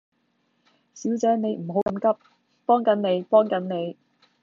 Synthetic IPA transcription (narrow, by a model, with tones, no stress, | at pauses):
siː˨˥wt͡sɛː˨˥ne˨˧jm̩˨˩ɦo˨˥wkɐ˨˧˥mkɐ˥p̚ | pɔː˥ŋkɐ˨˥nne˨˧jpɔː˥ŋkɐ˨˥nne˨˧j